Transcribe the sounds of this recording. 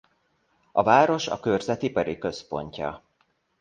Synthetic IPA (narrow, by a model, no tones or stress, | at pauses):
ɒvaːɾo̞ʃɒ̰kørzɛt̪ipɒɾikø̞spo̞̰ɲcɒ̰